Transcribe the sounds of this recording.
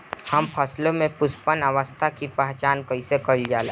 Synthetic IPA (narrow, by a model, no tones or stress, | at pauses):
hɐmpʰɐslõmẽpʊspənəʋəst̪ʰakipɛɦt͡ʃaːnkəɪsekəɾid͡ʒaːleː